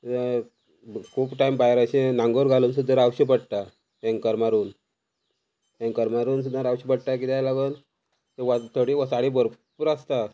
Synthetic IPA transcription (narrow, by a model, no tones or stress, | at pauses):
kʰuːpʈajmbajɾaɕẽnãŋɡoɾɡaluːnsud̪ʱːəɾawɕip̬əɽʈ̪a | ɛ̃ŋɡkəɾmaɾuːn | ɛ̃ŋkəɾmaɾuːns̬ud̪ʱːəɾawɕipəɽʈ̪ak̬it̪ʰjajlaɡən | t̪eʋat̪ʰəɽiʋəsaɽibəɾpəɾast̪a